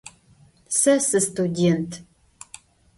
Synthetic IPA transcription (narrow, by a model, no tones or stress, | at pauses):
sɐsɨstudʲentʰ